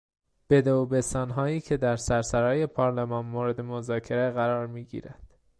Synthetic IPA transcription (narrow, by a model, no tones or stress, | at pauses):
b̥e̞d̪oobe̞st̪ɒːnɦɒːiːcʰe̞d̪æɾsæɾsæɾɒːje̞pʰɒːɾlemɒːnmoːɾe̞d̪e̞mozɒːcʰe̞ɾeɣæɾɒːɾmiːɟḭːɾænd̪̥